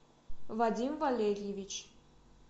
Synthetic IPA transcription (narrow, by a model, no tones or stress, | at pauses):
vad̪ʲimvalʲeɾʲjevʲit͡ɕ